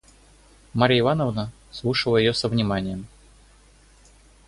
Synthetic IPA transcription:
maɾʲəɪvanəvnə | slˠuʂəlˠəjɪjosəvnʲɪmanʲɪjəm

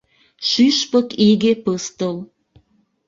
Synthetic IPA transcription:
ʃyʃpəkiɣepəst̪əl

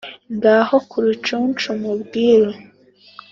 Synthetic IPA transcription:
ŋɡahokʰuɾut͡ʃunt͡ʃumubɡiːɾo

